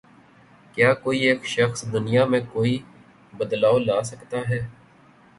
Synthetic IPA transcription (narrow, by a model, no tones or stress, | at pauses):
kjaːkoːieːkʃəxsd̪ʊnɪjaːmẽkoːi | bəd̪laːolaːsəkt̪aːɦɛː